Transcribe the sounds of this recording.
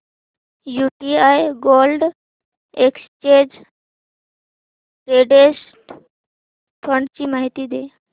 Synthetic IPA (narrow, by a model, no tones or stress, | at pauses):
jupiajɡolɖ | ekst͡ɕed͡ʑ | ɾeɖes | ʈ | pʰəɳɖt͡ɕiːmaɦit̪iːd̪e